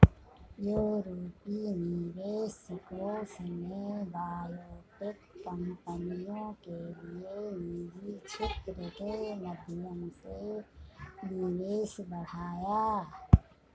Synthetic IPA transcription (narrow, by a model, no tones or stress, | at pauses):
juːɾoːpiniʋeːskosnebaːloːpɪkːəmpənijõkelieniːd͡ʒit͡ʃʰɪt̪ɾəkenəd̪ʱɪjə̃se | nɪʋeːsbəɽ̤aːjaː